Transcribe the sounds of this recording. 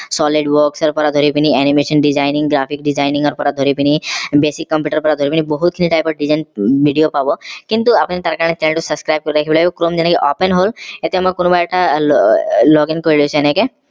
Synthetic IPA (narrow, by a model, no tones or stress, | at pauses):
sɔliɖʋɔksɔɾpɔɾad̪ʱɔɾipiniɛnimeʃənɖid͡ʒaɪnĩŋɡɡɾapʰik̚ɖid͡ʒaɪnĩŋɡɔɾpɔɾad̪ʱoɾipinibesikːɐ̃mpjuːʈəɾpɔɾad̪ʱɔɾipinibɔɦut̪̚kʰinʰiʈaːjpɔɾɖid͡ʒanbiɖijopabokint̪uapnit̪aɾkaɾ̃et͡ʃɛneɭʈusəskɾajb̚kɔɾiɾəkʰebelaokɾomd͡ʒɛnakeʔɔpenɦolet̪ʰemɔkonubaʈa | lɔɡinkɔɾilet͡ʃʰɛneke